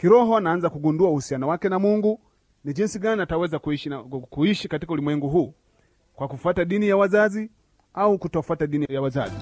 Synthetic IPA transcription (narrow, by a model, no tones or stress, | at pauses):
kiɾɔɦɔnaːnzakuɡunduauhusianɔwakɛnamuŋɡu | nid͡ʒinsiɡanatawɛzakuiʃkuiʃikatikaulimwɛŋɡuɦuː | kwakufataɗinijawazazi | aukutɔfataɗinijawaza̰zi